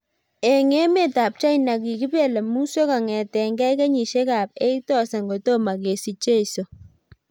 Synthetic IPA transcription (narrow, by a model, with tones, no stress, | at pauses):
ɛ˨ŋe˦me˦˨ta˨p̚t͡ʃa˦jna˨ki˨ki˦pe˦˨le˨mu˦se˦ka˨ŋɛ˨tɛ˨ŋɡɛ˦jka˦ɲi˨ʃe˦ka˨p̚e˦itɔ˦˨sa˨ŋɡo˨to˦ma˨ke˨si˨t͡ʃe˦i˨so˨